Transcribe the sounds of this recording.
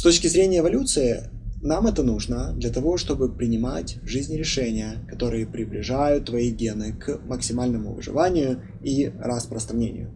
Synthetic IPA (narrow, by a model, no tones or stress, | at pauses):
st̪ot͡ɕkʲɪzɾʲenʲɪjəvɐlʲut̪sɨɪ | namɛt̪ənuʐnəd̪lʲɐt̪ɐvo̞ʂt̪o̞bɨpɾʲɪnʲɪmatʲvʐɨzʲnʲɾʲɪʂɛnʲɪjəkɐt̪o̞ɾɨjəpɾʲɪblʲɪʐajʊt̪ːvɐiɡʲenɨkməksʲɪmalʲnəmʊvɨ̰ʐɨ̰vanʲɪjʊ | irɐspɾəst̪ɾɐnʲenʲɪ̰jʊ̰